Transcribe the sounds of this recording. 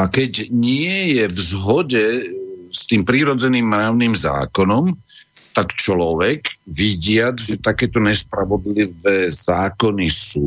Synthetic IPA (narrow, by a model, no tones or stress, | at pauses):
akɛɟɲɪɛjɛvzɦɔɟɛst̪iːmpɾiːɾɔd͡zɛniːmːɾaːʊniːmza̰ːkɔnɔm | t̪akt͡ʃlɔʋɛɡʋiɟɪad͡zʒɛt̪akɛːt̪ɔɲɛspɾaʋɔd̪liʋɛːzaːkɔnisuː